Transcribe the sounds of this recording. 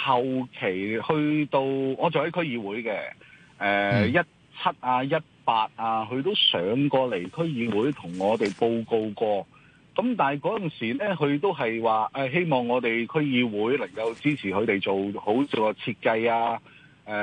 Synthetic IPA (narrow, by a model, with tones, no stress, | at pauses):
hɐ˨wkʰe˨˩jhɵ˧ɥt̪o˧wɔː˨˧t͡so˨whɐ˨˥jkʰɵ˥ɥjiː˧wuː˨˥jkɛː˧ | ɛː˨jɐ˥t̚ | t͡sʰɐ˥t̚ʔaː˧jɐ˥t̚paː˧t̚aː˧ɦɵ˧ɥt̪o˥wsœː˨˧˥ŋkɔː˧le˨˩jkʰɵ˥ɥjiː˧wuː˨˥jt̪ʰʊ˨˩ŋːɔː˨˧t̪e˨jpo˧wko˧wkɔː˧ | kɐ˨˥mt̪aː˨jkɔː˨˥jɐ˨nsiː˨˩nɛː˥kɵ˨˧ɥt̪̬o˥wɦɐ˨jwaː˨ʔɛː˧ɦe˥jmɔː˨ŋːɔː˨˧t̪e˨jkʰɵ˥ɥjiː˧wuː˨˥jlɐ˨˩ŋkɐ˧wt͡siː˥t͡sʰiː˨˩kʰɵ˨˧ɥt̪e˨jt͡so˨who˨˥wt͡siː˨˩wkɔː˧t͡sʰiː˧t̚kɐ˧jaː˧ | ʔɛː˨˩